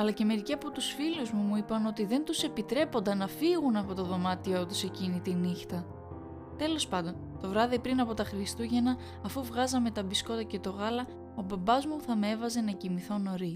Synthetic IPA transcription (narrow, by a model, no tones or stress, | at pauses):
ɐlɐce̞me̞ɾiciɐpo̞t̪usfiluzmumuipɐno̞t̪iðe̞nt̪use̞pit̪ɾe̞po̞nd̪ɐnɐfiɣunɐpo̞t̪o̞ðo̞mɐt̪iot̪use̞cinit̪inixt̪ɐ | t̪e̞lo̞spɐnd̪o̞n | t̪o̞vɾɐðipɾinɐpo̞t̪ɐxɾist̪uʝe̞nɐː | fuvɣɐzɐme̞t̪ɐbisko̞t̪ɐce̞t̪o̞ɣɐlɐ | o̞bɐbɐzmuθɐmeevɐze̞nɐcimiθo̞no̞ɾi